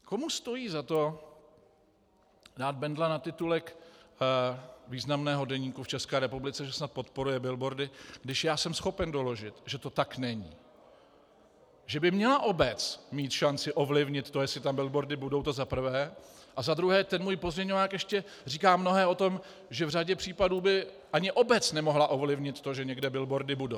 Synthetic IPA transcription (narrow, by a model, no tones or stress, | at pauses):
ko̞must̪o̞jiːzat̪o̞ | daːd̪̚bɛndlanat̪ɪt̪ulɛk | viːznamnɛːɦo̞dɛɲiːkuft͡ʃɛskɛːɾɛpublɪt͡sɛʒɛsnat̪̚po̞t̪po̞ɾujɛbɪlbo̞ɾdɪɡ̥dɪʃjaːsɛmsxo̞pɛndo̞lo̞ʒɪt̪ʒɛt̪o̞t̪aknɛɲḭː | ʒɛbɪmɲɛlaʔo̞bɛt͡smiːt̪ʃant͡sɪʔo̞vlɪvɲɪt̪ːo̞jɛsɪt̪ambɪlbo̞ɾdɪbudo̞wt̪ozapr̩vɛːʔazad̪ɾuɦɛːt̪ɛnmuːjpo̞zmɲɛɲovaːkjɛʃcɛ | r̝iːkaːmno̞ɦɛːo̞t̪o̞m | ʒɛvr̝aɟɛpr̝̥iːpaduːbɪ | ʔaɲɪʔo̞bɛt͡snɛmo̞ɦlaʔo̞vlɪvɲɪt̪tːo̞ʒɛɲɛɡdɛbɪlbo̞ɾdɪbudow